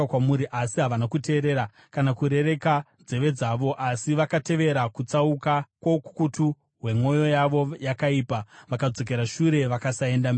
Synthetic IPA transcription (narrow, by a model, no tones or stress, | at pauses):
kwamuɾiʔasiɦaʋanakute̞ːɾe̞ɾa | kanakuɾe̞re̞ka | d͡ze̞ʋe̞d͡zaʋo̞ʔasiʋakate̞ʋe̞ɾakut͡saukakwoku̥kutu | ɦwe̞mo̞jo̞jaʋo̞jakaiːpaʋakad͡zo̞k̬e̞ɾaʃuɾe̞ʋakasaendam